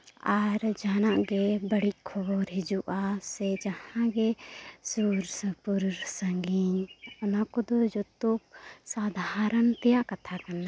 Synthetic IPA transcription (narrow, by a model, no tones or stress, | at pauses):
aɾd͡ʒanaʔɡɛbəɽic̚kʰɔbɔɾɦid͡ʒuʔasɛd͡ʒahãɡɛsuɾsəpuɾɾsəŋɡiɲɔnakɔd̪ɔd͡ʒɔt̪ɔk̚sad̪ʱaɾənt̪ɛjaʔkat̪ʰakana